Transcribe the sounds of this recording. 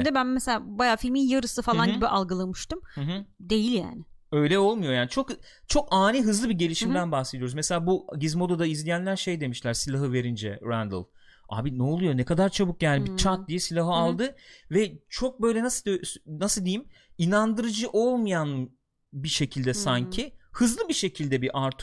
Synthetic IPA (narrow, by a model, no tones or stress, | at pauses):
d̪ɛbænmeselʲaːbajaːfilʲminjaɾɯsɯfalˠanɟibiʔalˠɡɯlˠamɯʃt̪ɯmhd̪e̞jilʲja̰ːnɪø̞jlʲɛo̞lˠmujo̞jaːnit͡ʃʰo̞k | t͡ʃʰo̞kaːniɦɯzlˠɯbiɟe̞lʲiʃimd̪ænbahse̞d̪ijo̞ɾuzmese̞lʲaːbuɟizmo̞d̪ad̪aizlʲijænlʲæɾʃe̞jd̪e̞miʃlʲæɾsilʲaɦɯve̞ɾind͡ʒɛ̰ɾænd̪̰lˠ | a̰ːbinɛolˠujo̞nɛkʰad̪aɾt͡ʃʰabɯkjaːnibit͡ʃʰat̪̚d̪ijɛsilʲaɦɯalˠd̪ɯvɛt͡ʃʰo̞k̚bø̞jlʲɛnasnasɯlˠd̪ejim | inand̪ɯɾɯd͡ʒɯʔo̞lˠmajan | biʃe̞cʰilʲd̪ɛsaɲcʰihɯzlˠɯbiʃe̞cʰilʲd̪ɛbiʔaɾt̪ʰ